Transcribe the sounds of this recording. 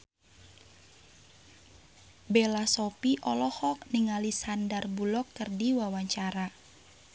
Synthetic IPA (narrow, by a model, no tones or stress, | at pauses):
belasɔpiʔɔlɔhɔk̚niŋalisandarbulɔkːərdiwawaɲt͡ʃaɾa